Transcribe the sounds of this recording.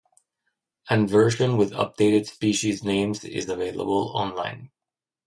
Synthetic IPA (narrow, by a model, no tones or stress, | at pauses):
ɨ̃nvɜ˞ʃə̃nwɪðʌ̰p̚d̥eɪɾɨd̥spiʃiznẽɪ̃mzɪ̰zəveɪlˠə̰bəl̩ˠɔ̰̃nlãɪ̃n